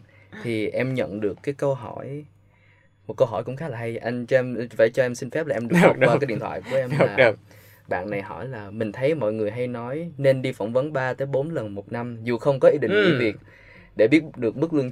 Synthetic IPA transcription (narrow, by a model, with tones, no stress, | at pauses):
t̪ʰi˨˩ʔɛ˧mɲə̰˧˨nɗɨ˨˩əkːaː˨˦jkə˧wɦɔ̰˧˩j | mo˨˩kə˧wɦɔ˧˩jkʊ̰˧˥ŋ͡mxaː˨˦laː˨˩ɦa˧jʔa˧t͡ɕɔ˧ɛ˧mva̰ː˧˩jt͡ɕɔ˧ʔɛ˧msï˧nfɛ˦˥p̚laː˨˩ʔɛ˧mɗwaː˧aː˨˦ɗḭ˧˨nt̪ʰwa̰ː˧˨jku˧˩əʔɛ˧mlaː˨˩˧ | ɓa̰ː˧˨nːa˨˩jɦɔ̰˧˩jlaː˨˩mï˨˩ŋ̟t̪ʰə˨˦jmɔ̰˧˨jŋɨ˨˩əjɦa˧jnɔ˨˦jne˧nɗi˧fə˧˩wŋ͡mvə˨˦nɓaː˧t̪əː˨˦jɓo˨˦nlə˨˩nmo˨˩t̚na˧mzu˨˩xə˧wŋ͡mkɔ˨˦ʔi˧ɗḭ˧˨t͡ɕḭ˨˧˦vi˨˩ət̚ | ɗe˧˩ɓi˦˥ətɗɨ˨˩ək̚mɨ˦˥k̚lɨ˧ə